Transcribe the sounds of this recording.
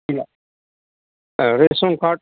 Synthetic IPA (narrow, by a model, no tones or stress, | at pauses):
ila | ɾesõŋkʰaːʈ̚